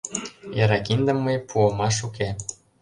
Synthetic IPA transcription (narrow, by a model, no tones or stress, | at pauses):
jɑɾɑkind̪ə̆mːəjpʰuəmɑʃuke